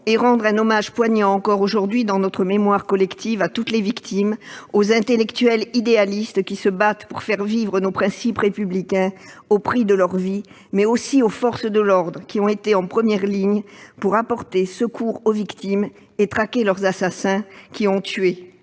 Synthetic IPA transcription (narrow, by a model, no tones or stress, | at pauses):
eʁɑ̃d̪ʁɛ̃nɔmaʒpwaɲɑ̃ːkɔʁoʒuʁd̪ɥid̪ɑ̃nɔt̪χəmemwaʁkɔlɛkt̪ivat̪ut̪levikt̪ʰimozɛ̃t̪elɛkt̪ɥɛlid̪ealist̪kʲisəbat̪puʁfɛʁvivʁənopχɛ̃sipʁepyblikɛ̃opχid̪əlœʁvi | mɛosiofɔʁsd̪əlɔʁd̪ʁəkʲiɔ̃et̪eɑ̃pχəmjɛʁliɲpuʁapɔʁt̪esəkʰuʁovikt̪im | et̪χakʲelœʁzasasɛ̃kʲiɔ̃t̪ʰɥe